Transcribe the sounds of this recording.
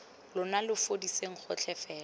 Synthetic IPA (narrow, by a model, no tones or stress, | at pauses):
lʊnalɪfodiseŋ̩χʊ̰t͡ɬʰɛfɛːlɔ